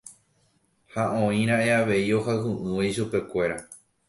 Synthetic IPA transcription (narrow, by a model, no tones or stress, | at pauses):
haõĩɾ̃ãʔe̞aʋe̞io̞hawɦũʔɨ̃waiʃupe̞kʷe̞ɾa